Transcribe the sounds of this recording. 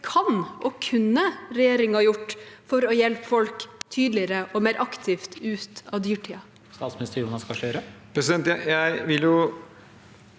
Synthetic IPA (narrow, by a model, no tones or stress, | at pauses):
kʰɑnʔɔkʰʉnːəɾɛjeːɾɪŋɑjʊʈːfɔɾɔjɛlpfɔlkt̪ʰyːd̪lɪəɾəʔɔmeːɾʔɑkt̪ʰɪft̪ʉːt̪ɑʋd̪yːʈʰiːɑ | st̪ɑːt̪smɪnɪst̪əɾjuːnɑskɑʃøːɾəpʰɾɛsɪd̪ɛnt̪jæjæɪʋɪljʊ